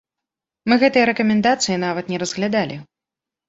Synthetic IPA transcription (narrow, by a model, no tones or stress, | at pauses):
mɨɣɛt̪ɨjɐɾɛkɐmʲɛnd̪at̪sɨjinavɐt̪nʲɛɾɐzɣlʲad̪alʲʔi